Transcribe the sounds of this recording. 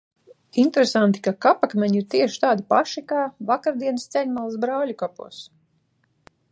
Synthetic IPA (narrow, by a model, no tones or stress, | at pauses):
int̪ɾesant̪i̥kakapakmʲɛɲiɾt̪iɛʃi̥t̪aːd̪ipaʃikaːvakaɾd̪iɛnɨst̪sʲɛɲmalˠasbɾawʎʲukapṵɔs